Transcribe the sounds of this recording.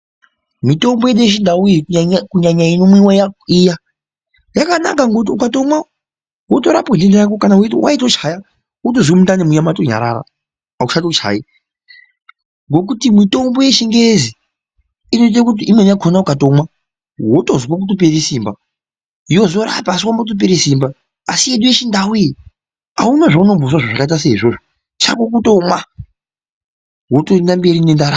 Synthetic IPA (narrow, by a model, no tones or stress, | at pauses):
mito̞mbo̞jeɗueʃ̬indaujikkuɲaɲainomwiwajaija | jakana̰kaŋɡot̬iukato̞mwa | woto̞ɾa̰pondendeɾak̬okanawuitwʔa̰itot͡ʃaja | wotozimudanimujamatoɲa̰ɾa̰ɾa̰ | a̰uʃatot͡ʃʰa̰i | ŋɡo̞k̬utimito̞mbo̞je̞ʃiŋɡezi | inotit̬akut̬iimwenakʰonaukatomwa | wotozkwak̬utop̬eɾisiːmba | ijo̞zo̞ɾa̰paːs̬iwambakut̬op̬eɾisiːmba | asieɗujet͡ʃindawuji | aunaʐauno̞mbos̬waʐaʐakaitaseiʐoʐo | t͡ʃa̰kok̬utomwa | wotoendambe̞ɾinendaɾa